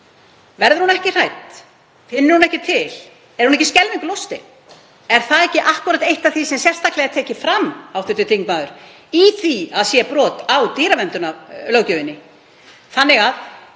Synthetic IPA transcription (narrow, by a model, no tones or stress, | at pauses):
vɛɾðʏɾhunɛhcɪr̥ajt̪ | fɪnːɪɾhunɛhcɪt̪ʰɪl | ɛɾ̥hunɛcːɪscɛlvɪŋklowst̪ɪ | ɛɾ̥θaðɛhcɪʔahkʏɾat̪ejht̪aθisɛmsjɛr̥st̪aklɛɣat̪ʰɛːcɪfɾamːawθʏt̪ːʏt̪ʰiŋk̚maðʏɾ̥ | iθiaðsjɛpɾɔːt̪awt̪iːɾavɛmt̪ʏnalœwcʏvɪnːɪ | θanːɪɣað